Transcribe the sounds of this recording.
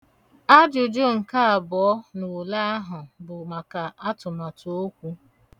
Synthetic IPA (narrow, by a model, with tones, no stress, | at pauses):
a˦d͡ʒʊ˨d͡ʒo˦ŋ̩˨ka˦a˨bɔ˨ɔ˦nu˨wu˨la˦a˦ɦʊ˨bʊ˨ma˨ka˨ʔa˦tʊ˨ma˨to˦kʷu˦